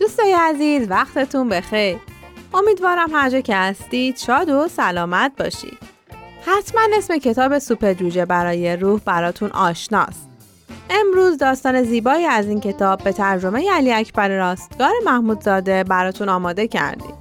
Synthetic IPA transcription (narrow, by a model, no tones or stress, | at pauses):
d̪̥ust̪ɒːjeæziːzvæxt̪ʰe̞t̪ʰunbe̞xe̞jɾo̞miːd̪vɒːɾæmhæɾd͡ʒɒːcʰehæst̪iːd̪̥ʃɒːd̪o̞sælɒːmæt̪̚bɒ̰ːʃḭd̪̥ | hæt̪ʰmæne̞sme̞cʰe̞t̪ʰɒːbe̞supeɾd͡ʒuːd͡ʒebæɾɒːje̞ɾuːhbæɾɒːt̪ʰunʔɒ̰ːʃnɒ̰ːst̪ | ʔe̞mɾuːzd̪ɒːst̪ɒːne̞ziːbɒːiːæziːncʰe̞t̪ʰɒːbːe̞t̪ʰæɾd͡ʒo̞me̞jeæliːæcʰbæɾeɾɒːst̪̚ɡ̥ɒːɾe̞mæhmuːd̪zɒːd̪e̞bæɾɒːt̪ʰunɒːmɒːd̪e̞cʰæ̰ɾd̪ḭːd̪̥